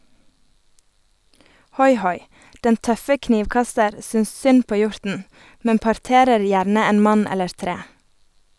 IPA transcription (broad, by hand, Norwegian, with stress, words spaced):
ˈhɔʏˌhɔʏ ˈdɛn ˈtœfə ˈkniːʋˌkɑstəɾ ˈsʏns ˈsʏn ˈpoː ˈjʊɹtn̩ ˈmɛm pɑɾˈteːɾəɾ ˈjæɾnə ˈeːn ˈmɑn ˈɛləɹ ˈtɾeː